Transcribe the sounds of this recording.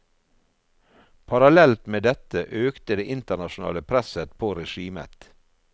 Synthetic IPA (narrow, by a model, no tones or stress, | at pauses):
pʰɑɾɑlɛlt̪meːd̪ɛt̪əʔøːkt̪əd̪eːʔɪnt̪əɳɑʃʊn̩ɑ̰ːləpʰɾɛsət̪pʰoːɾɛʃiːmə̰t̪